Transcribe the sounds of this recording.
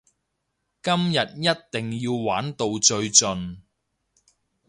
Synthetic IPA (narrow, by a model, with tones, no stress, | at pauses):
kɐ˥mjɐ˨t̚jɐ˥t̚t̪ɪ˨˩ŋjiː˧wwaː˨˥nt̪o˧wt͡ʃɵ˧ɥt͡sɵ˨n